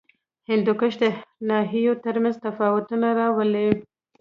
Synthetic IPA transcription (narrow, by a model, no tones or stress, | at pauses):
hɪnd̪ʊkəʃd̪ənɑɦijot̪əɾmanzt̪afɑwʊt̪unaɾɑwəle